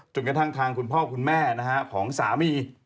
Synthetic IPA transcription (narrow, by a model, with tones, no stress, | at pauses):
t͡ɕo˧nka˧t̪ʰa˥˩ŋt̪ʰaː˧ŋkʰu˧npʰɔː˥˩kʰu˧nmɛː˥˩na˦˥kʰa˦˥kʰɔː˩˦ŋsaː˩˦miː˧